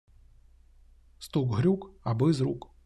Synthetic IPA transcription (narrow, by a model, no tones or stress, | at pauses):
st̪ukɣɾʲukabɨzɾuk